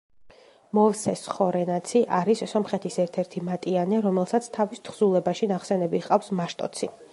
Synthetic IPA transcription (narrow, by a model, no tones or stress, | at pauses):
mɔvsɛsχɔɾɛnat̪sʰiʔaɾisːɔmχɛt̪ʰisɛɾt̪ʰɛɾt̪ʰimat̪ʼianɛɾɔmɛlˠsat̪sʰt̪ʰavist̪ʰχz̥ulˠɛbaʃinaχsɛnɛbiqʼafsmaʃt̪ʼɔ̰t̪sʰi